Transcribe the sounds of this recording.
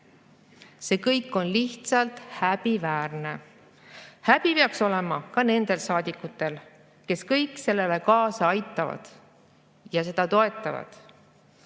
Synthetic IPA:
se̞ːkɤjkːˑo̞nliht̪sɑlt̪hæb̥ivæːrne̞ | hæb̥ipeɑkso̞le̞mɑkɑne̞nd̪̥e̞lsɑːd̪̥ikːˑut̪ːˑe̞l | ke̞skɤ̞jkˑse̞lːe̞le̞kɑːsɑɑjt̪ˑːɑvɑ̰d̪̥ | jɑse̞d̪̥ɑt̪o̞e̞t̪ːˑɑvɑ̰d̪̥

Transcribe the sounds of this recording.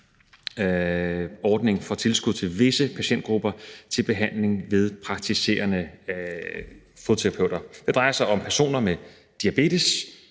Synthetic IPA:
ɒːd̥ne̝ŋfɒt͡sʰe̝lsɡ̥uðˠt͡sʰe̝lʋe̝səpʰæɕen̰d̥ɡ̥ʁub̥ɐt͡sʰe̝lb̥e̝ɦæn̰le̝ŋʋe̝ð̞ˠpʰʁɑ̈ɡ̥̚t͡sʰise̝̰ɐnə | fo̝t͡sʰot͡sʰeʁɑ̈pʰøʊ̰d̥ɐd̥e̝d̥ʁɑ̈ɪɐsɑ̈ɪɒ̽mpʰæɐso̝̰ːnɐme | d̥iæb̥e̝̰ːdis

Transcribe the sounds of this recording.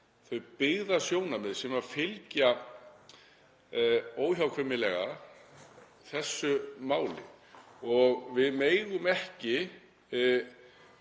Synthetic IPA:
θœɥpɪɣðasjoːwnamɛðsɛmafɪlca | oːwçawkʰvʏmɪlɛɣa | θɛsːʏmaːwlɪɔɣvɪðmeːjɣʏmɛhcɪ

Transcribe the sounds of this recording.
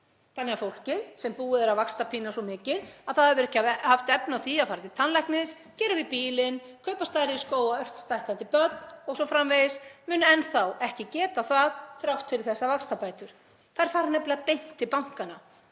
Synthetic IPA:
t̪anːɪafowl̥cɪðsɛmpuːɪðɛɾavakst̪apʰiːnasɔmɪːcɪðaðθaðɛɾvʏɾɛhcːahaft̪ɛpnawθiaðfaːɾat̪ɪt̪ʰanlajhknɪs | cɛːɾɪvipiːlɪn | kʰœɥpast̪aːjɾɪiskoːwaœr̥t̪st̪ajhkant̪ɪpœt̪nɔɣsɔfɾamvejɪsmʏːnɛnθawɛhcɪcɛːt̪aθaðθɾawht̪fɪɾɪɾ̥θɛsːavakst̪apaːjt̪ʏɾ̥ | θaɪɾ̥faːɾanɛplɪapejn̥t̪ɪpawŋ̥kana

